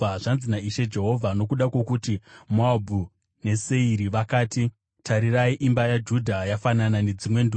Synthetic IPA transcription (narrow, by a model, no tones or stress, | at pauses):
aʐanzinaiʃe̞d͡ʒe̞ɦo̞vʱano̞kuɗakwe̞kutimoabʱu | ne̞se̞iɾiʋakaːti | tʰaɾiraiʔimbajad͡ʒudʱajafananane̞d͡zimwe̞ndu